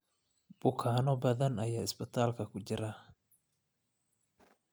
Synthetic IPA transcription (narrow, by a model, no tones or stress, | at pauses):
b̥ʊkʰaːnɔbɐðɐnɐjaːɪsbɪt̪ʰaːlkʰɐkʰʊt͡ʃɪɾa